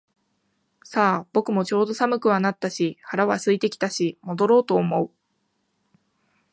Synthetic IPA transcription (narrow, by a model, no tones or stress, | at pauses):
saːb̥o̞kɯ̟mo̞t͡ɕo̞ːd̪o̞samɯ̟kɯ̟βanat̪ːaɕihaɾaβasɨit̪e̞kʲi̥t̪aɕimo̞d̪o̞ɾo̞ːt̪o̞ːmo̞ɯ̟